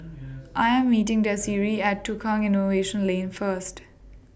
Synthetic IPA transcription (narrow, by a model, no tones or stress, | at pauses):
ʔaɪɛ̃mːiːʈɪ̃ŋd̪əsiːɾiæʈːukʰɔ̃ŋɪnoʋeːʃə̃nlẽːnfəɾsʈ